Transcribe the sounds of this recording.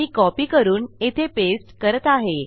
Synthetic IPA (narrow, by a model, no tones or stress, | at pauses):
iːkɔpiːkəɾuːnet̪ʰepesʈkəɾət̪aɦe